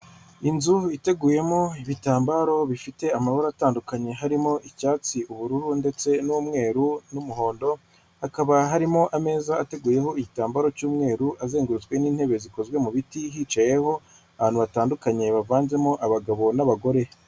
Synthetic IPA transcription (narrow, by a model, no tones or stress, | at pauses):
inzuite̞ɡuːje̞mo̞iβitaːmbaɾo̞βifite̞amaβaɾaːtaːndukaɲe̞ɦaɾimo̞ʔicaːt͡siuβuɾuɾunde̞t͡se̞nuːmŋe̞ːɾunumuɦo̞ːndo̞ | hakaβaɦaɾimo̞ʔame̞ːzaːte̞ɡuːje̞ɦo̞iɟitaːmbaɾo̞cuːmŋe̞ːɾuʔaze̞ːŋɡuɾut͡swe̞niːn̥he̞βe̞ziko̞zwe̞muβitiɦiːt͡ʃaje̞ho̞ | aβaːnhuβataːndukaɲe̞βavaːnze̞moʔaβaɡaβo̞naβaɡo̞ɾe̞